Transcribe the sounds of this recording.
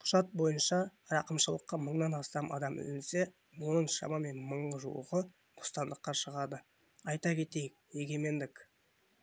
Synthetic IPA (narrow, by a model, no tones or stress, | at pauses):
qʰʊ̥ʒ̥ɑt̪̚bo̞jənʃɑɾɑqəmʃəlˠəqːɑməɴnɑnɑst̪ɑmʔɑ̰d̪ɑmɪ̰zɪnse̞ | wo̞nəɴʃɑ̰mɑme̞nməɴəʒuwə̰ʁə | t̪ʰo̥st̪ɑnd̪əqːɑʃəʁɑd̪ə | ɑjt̪ɑkʲʰe̞t̪e̞jɪk̚e̞ɡʲe̞me̞nd̪ɪk